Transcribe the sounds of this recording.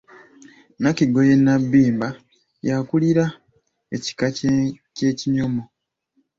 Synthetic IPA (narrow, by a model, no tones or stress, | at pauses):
nakiɡo̞je̞nːabːiːmba | jakuliɾa | eci̥ka | ce̞ːciɲomo